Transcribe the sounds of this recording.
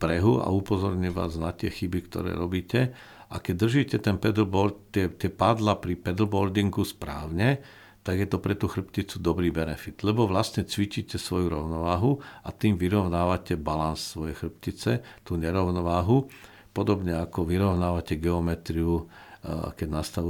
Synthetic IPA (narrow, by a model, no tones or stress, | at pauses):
pɾɛɦua̰upɔzɔɾɲɛʋa̰ːznat̪ɪɛxibikt̪ɔ̰ɾɛ̰ːɾɔbiːcɛ | akɛɟ̚d̪r̩ʒiːcɛt̪ɛnpɛd̪lbɔɾt̪t̪ɪɛt̪ɪɛpad̪lapɾipɛd̪l̩bɔɾd̪iŋɡuspɾa̰ːʊɲɛ | t̪aɡjɛt̪ɔpɾɛt̪uxr̩pcit͡sud̪ɔbɾiːbɛnɛfid̪̥lɛbɔʋlasɲɛt͡sʋit͡ʃiːcɛsʋɔjuɾɔʊnɔʋaːɦuat̪iːmʋiɾɔʊnaːʋacɛbalanssʋɔjɛjxr̩pcit͡sɛt̪uːɲɛɾɔʊnɔʋaːɦu | pɔd̪ɔbɲɛakɔʋiɾɔʊnaːʋacɛɡɛɔmɛt̪ɾiu | kɛɟnast̪aʋu